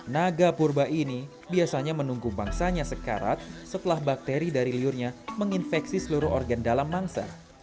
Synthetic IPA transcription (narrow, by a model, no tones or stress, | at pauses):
naɡapurbaʔini | biasaɲamənuŋɡubaŋsaɲasəka̰ɾa̰t̪̚sət̪əlahbak̚t̪eɾidaɾiliʊrɲaməŋinfɛksisəluɾʊɦɔrɡandalamːaŋsa̰